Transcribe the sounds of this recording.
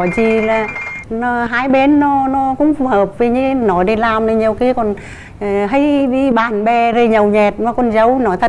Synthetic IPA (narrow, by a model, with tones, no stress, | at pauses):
ɔ˨˩zi˨˩laː˨˩nɔ˧˦ɦaː˧˦jɓe˨˧˦nːɔ˨˦nɔ˨˧˦kʊ̰˧˥ŋ͡mfu˨˧˩həː˨˩p̚vi˨˩ɲɨ˧˨nɔ˨˦ɗi˧˩laː˨˩mnə˨˧˩ɲi˨˩əwki˨˦kɔ˨˩n˨ | ɦə˧˦jɗi˧ɓaː˨˩nɓɛ˧˩zə˨˧˩ɲə˨˩wɲɛ˨˩t̚nɔ˨˧˦kɔ˨˩nzə˨˦wnɔ˨˦jt̪ʰə˧˨